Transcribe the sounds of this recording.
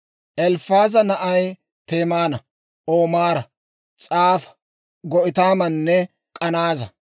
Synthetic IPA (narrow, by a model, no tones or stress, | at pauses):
ʔɛlfaːzɐnɐʔɐj | t̪eːmaːnɐ | ʔoːmaːɾɐ | t͡sʼaːfɐ̥ | ɡɔʔɪt̪aːmɐnːɛ | kʼɐnaːzɐ̰